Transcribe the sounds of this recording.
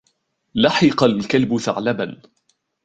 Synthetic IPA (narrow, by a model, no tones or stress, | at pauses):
lɑħɪqɑlkalbʊθa̰ʕlaban